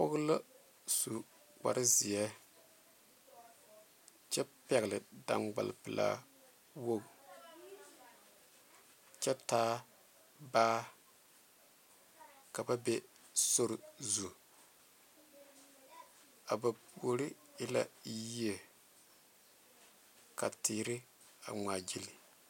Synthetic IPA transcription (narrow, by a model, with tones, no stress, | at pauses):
pʊ˦ɣla˦ | su˨ | k͡pa̰˨ɾɪ˦zɪ˨ɛ˦ | t͡ʃɛ˦pɛ˨ɣlɪ˨da̰˨ŋɡ͡ba̰˨lpɨ˨la̰˦˨ | wo˦ɡ | t͡ʃɛ˦taː˦ | baː˦ | ka˨ba˦be˦ | so˦ɾzu˨ | a˨ba˨˦o˨ɾɪ˦ | ɪ˦la̰˦ji˦e˨ | ka˨tiː˨ɾɪ˦ | a̰˨ŋ͡ma˨d͡ʒi˦li˨